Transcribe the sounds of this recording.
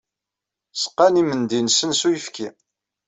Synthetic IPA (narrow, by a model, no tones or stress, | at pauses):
sə̥qːanimənd̪insənsujəfki